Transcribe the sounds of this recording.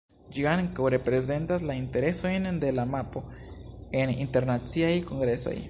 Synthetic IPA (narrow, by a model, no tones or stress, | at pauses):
d͡ʒiaŋkoɾe̞pɾe̞ze̞ntaslainte̞ɾe̞so̞jnd̪e̞lamapo̞ | e̞ninte̞ɾnat͡siajko̞ŋɡɾe̞so̞̰j